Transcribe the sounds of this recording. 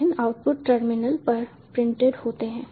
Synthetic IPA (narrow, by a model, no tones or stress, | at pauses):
ɪnaːʊʈ̚pʊʈʈəɾmɪnəlpɐɾ | pɾɪ̃ɳʈeɖhoːt̪eɦɛ̃ː